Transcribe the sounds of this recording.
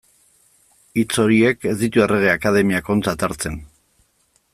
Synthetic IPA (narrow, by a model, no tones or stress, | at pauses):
it͡so̞ɾie̞ke̞zd̪it̪ue̞re̞ɣ̞e̞akaðe̞miako̞nt͡sat̪aɾt͡se̞n